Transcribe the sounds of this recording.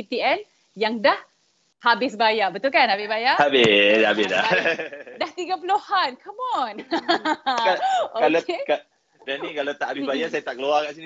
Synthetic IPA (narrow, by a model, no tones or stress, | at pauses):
it̪iɛn | jaŋdah | habɪsbajabət̪ulkanhabɪsbajaabɪabɪsda̰ | daht̪iɡapuluhankʰəmɔn | kaokalakeka | danĩkalat̪aʔhabɪsbajasajat̪aʔkəluakaʔsini